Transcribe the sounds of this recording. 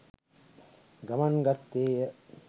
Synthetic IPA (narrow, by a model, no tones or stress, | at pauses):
ɡamaŋɡat̪ːeːjə